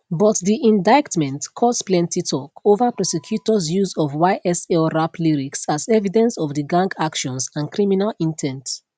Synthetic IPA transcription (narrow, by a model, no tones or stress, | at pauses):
bɔtdiʔĩndaɪktmɛ̃ntkʰɔsplɛ̃ntitʰɔkovapɹɔsɛkʰjutɔzjuzɔvwaɪʔɛsɛlɹapliɹiksazɛvidɛ̃nsɔvðəɡãŋɡakʃɔ̃nsãnkɹiminalĩntʰɛ̃nt